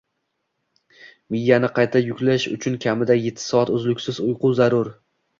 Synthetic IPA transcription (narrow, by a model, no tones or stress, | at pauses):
mɪjːanɪqʰɑjt̪ʰajʊkʲlaʃʊ̰t͡ʃʰʊnkʲʰamɪd̪aje̞t̪ʰːɪ̥sɒat̪ɵzlʊkʲsɪzʊjqʊzaɾʊɾ